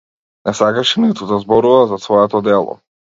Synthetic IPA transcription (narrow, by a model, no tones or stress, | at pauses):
nasaɡaʃinɛt̪ud̪azbɔɾuvazasvɔɛt̪ɔd̪ɛlˠɔ̰